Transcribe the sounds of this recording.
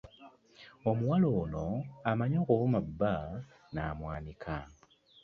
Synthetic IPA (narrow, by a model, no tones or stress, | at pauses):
omuwaloːno̞amaɲoːkuβumaba | na̰ːmwaːnikʰa